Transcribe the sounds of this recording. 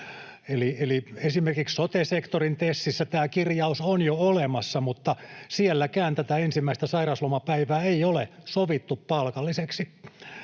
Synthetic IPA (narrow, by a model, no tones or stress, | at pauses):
elieliesimerkikssot̪esekt̪orint̪esːisːæt̪æːkirjɑusonjoolemɑsːɑmut̪ːɑsielːækæːnt̪æt̪æensimːæist̪æsɑirɑslomɑpæiʋæːeiolesoʋit̪ːuppɑlkɑlːiseksi